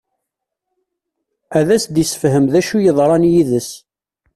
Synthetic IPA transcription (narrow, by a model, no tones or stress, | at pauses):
æðæsd̪isə̥fhəmðæʃujəðˤɾˤɑnjiðəs